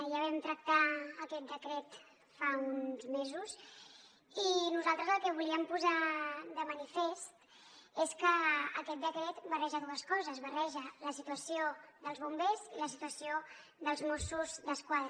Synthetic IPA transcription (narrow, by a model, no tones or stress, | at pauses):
ʒaβ̞ɛmt̪ɾək̚t̪aəkɛt̪̚d̪əkɾɛt̪ | faunzmezus | inuzalˠt̪ɾəzəlˠkɛβuliəmpuzad̪əmənifest̪ | eskəəkɛt̪̚d̪əkɾɛt̪bərɛʒəðuəskɔzəzβərɛʒələsit̪uəsioðəlˠzβumbeziləsit̪uəsio | ðəlˠzmɔsuzd̪əskwaðɾ